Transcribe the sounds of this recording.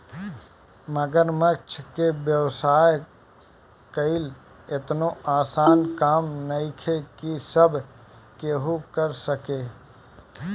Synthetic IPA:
məɡəɾməɾt͡ʃʰkewjəʋsaːj | kəɪl | ɪt̪noaːsaːnkaːmnəɪkʰekisəbʱ | keɦukəɾsəkeː

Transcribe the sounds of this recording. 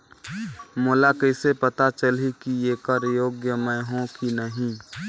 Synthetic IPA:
mʊlakəɪsepət̪at͡ʃəlikieːkəɾjoːɡjəmɛ̃ɦõkinəɦĩ

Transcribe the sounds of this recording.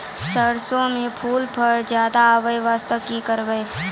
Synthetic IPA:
səɽsõmẽpʰuːlpʰəɾd͡ʒjaːd̪aːʋəjʋaːst̪əkikəɾʋəe

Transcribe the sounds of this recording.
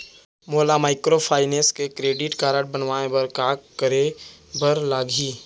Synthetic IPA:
moːlamaːɪkɾopʰaːɪneːskekɾeːɖɪʈkaːɾəʈ̚bənwaːẽbəɾkaːkkəɾebəɾlaːɡʱiː

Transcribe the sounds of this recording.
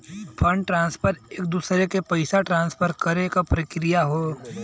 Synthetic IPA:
fʰɐ̃ɳɖ̚ʈɾãːnspʰəɾeːk̚d̪uːsɾekepɐɪsaʈɾãːnspʰəɾkɐɾekapɾɐkɾɪjaɦoː

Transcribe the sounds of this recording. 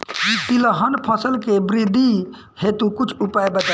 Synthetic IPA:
jit̪iləɦənpʰəsəlkebɾid̪ʱi | het̪ukut͡ʃʰupajbəd͡ʒa

